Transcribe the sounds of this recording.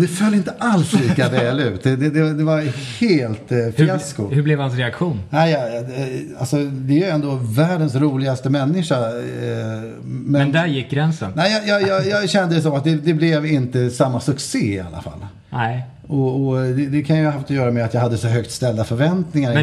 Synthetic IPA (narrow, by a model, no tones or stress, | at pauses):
d̪ɛfœlːɪnt̪əʔalsliːkavɛːlʉ̟ːt̪ɛd̪ɛd̪ɛd̪ɛvaɾheːlt̪fɪaskʊhɵblɛvhans̬ɾɛakɧuːnnæɪjɑ | alsɔd̪ɛæɾjɵɛnd̪oːvæːɖənsɾuːlɪɡast̪əmɛnːɪʂa | mɛɛnd̪æɾjɪkːɡɾɛnsə̰nnæɪjɑjɑjɑːjɑːɡɕɛnd̪əd̪ɛs̬ɔmːat̪̚d̪ɛd̪ɛblɛvɪnt̪əsamːasɵkseːɪa̰lːa̰fa̰lː | ɔɔd̪ɛd̪ɛkʰanjɵɦaft̪ɔjœːɾamɛat̪jɑɡɦad̪ːəsɔɦœkt̪st̪ɛld̪afœɾvɛnt̪nɪŋaɾ